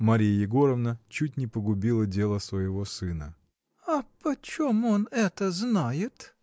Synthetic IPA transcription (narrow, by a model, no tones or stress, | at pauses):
mɐɾʲijəjɪɡo̞ɾəvnət͡ɕut̚ʲnʲɪpəɡʊbʲilˠədʲelˠəsvəjɪvosɨnə̰ | ɐpɐt͡ɕomonɛt̪əznajɪt̪